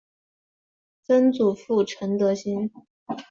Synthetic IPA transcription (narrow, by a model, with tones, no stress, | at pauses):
t͡sə˥nt͡su˨˩fu˥˩ʈ͡ʂʰə˧˥nt̪ɤ˧˥ɕi˥n